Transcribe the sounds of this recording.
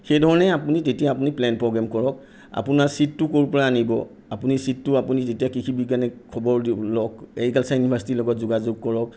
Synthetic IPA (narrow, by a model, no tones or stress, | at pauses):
xejdʱɔɹɔnɛapunitetijaːp̬uniplɛnpɹɔɡɹɛmkɔɹɔk̚ | a̰punaɹsitːʊkoɹupɔɹaːnibɔ | apunisitːʊapunitetijakikʰibik̬anɛkʰɔbɔɹlɔkenikalsainibʰʱaɹsi̥tilɔɡɔtzuɡazʊɡ̚kɔɹɔk̚